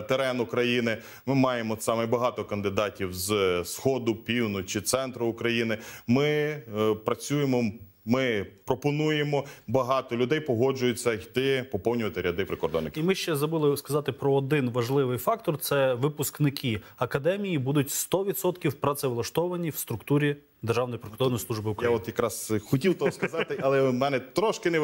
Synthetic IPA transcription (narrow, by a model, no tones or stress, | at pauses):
t̪eɾɛnʊkɾɐjinɪ | mɪmɑjemɔsɑmɛbɐɦɑt̪ɔkɐnd̪ɪd̪ɑtʲiwzsxɔd̪ʊpʲiwnʊt͡ʃɪt̪sɛnt̪ɾʊːkɾɐjinɪmɪ | pɾɐt͡sʲujemɔ | mɪpɾɔpɔnujemɔbɐɦɑt̪ɔlʲʊd̪ɛjpɔɦɔd͡ʒʊjʊt͡sʲːɐjd̪ɪpɔpɔwnʲʊʋɐt̪ɪɾʲɐd̪ɪpɾɪkɔrɾd̪ɔ̰nːɪkimɪʃt͡ʃɛzɾɔbɪlˠɪskɐzɑt̪ɪpɾɔːd̪ɪnʋɐʒlˠɪʋɪjfɑk̚t̪ɔrt̪sɛʋɪpʊsknɪkʰʲi | ɐkɐd̪ɛmʲijibud̪ʊtʲst̪ɔʋʲid̪sɔt̪kʲiwpɾɐt̪sɛʋlˠɐʃt̪ɔʋɐnʲiwst̪ɾʊkt̪uɾʲi | d̪erʒɑwnɔjipɾɪkɔrd̪ɔnɔjsˠuʒbɪʊkɾɐjaɔt̪jɐkɾɑzxɔtʲiwt̪ɔskɐzɑt̪ɪɐlˠɛmɛnɛt̪ɾɔʃkɪnɛ